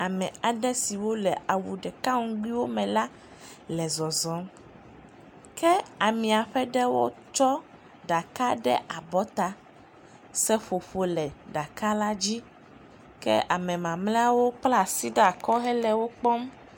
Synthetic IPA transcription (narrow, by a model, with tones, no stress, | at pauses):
a˨mɛ̃˨a˨ɖɛ˦si˨wo˦lɛ˨a˨wu˨ɖɛ˨ka˦ŋũ˦ɡ͡bi˦wo˦mɛ̃˨la˦ | lɛ˨zɔ˨zɔ˦m | kɛ˦a˨mĩ˨a˨ɸɛ˦ɖɛ˦wo˦t͡ʃɔ˦ | ɖa˨ka˦ɖɛ˦ʔa˨bɔ˦t̪a˦ | sɛ˦ɸo˨ɸo˨˦lɛ˨ɖa˨ka˦la˦d͡ʑi˦ | kɛ̰˦ʔa˨mɛ̃˨mã˨mlẽ˦a˦wo˦k͡pla˦˨si˦ɖa˨kɔ˦ɦɛ˦lɛ˦wo˦k͡pɔ˦m